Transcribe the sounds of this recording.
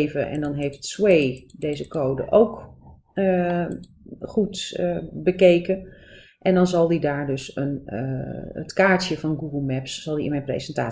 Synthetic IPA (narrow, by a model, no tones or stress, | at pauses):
vəʔɛ̰ndɔnɦeftswejdejzəkoːdə̰ʔowk | ə | χutbəkejkə | ʔɛndɔnzɑlˠdidaːɹdøsən | ə̰tkaːɹtjəvɑnɡuɡəlˠmɛpsːɑlˠdiɪ̰nmɛjnprḛzənta̰ː